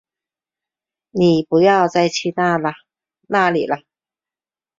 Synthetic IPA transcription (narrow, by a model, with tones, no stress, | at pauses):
ni˨˩pu˨˥˦jɑ˥˧ʊt͡sa˥˧ɪt͡ɕʰi˥˧na˥˧ | na˥˧lḭ˨˩lə˧